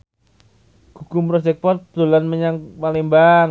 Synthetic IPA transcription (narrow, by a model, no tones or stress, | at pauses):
ɡ̥ṳkʊmpɾɔd͡ʒɛk̚pɔrt̪̚bd̪olanməɲaŋpalɪŋbaŋ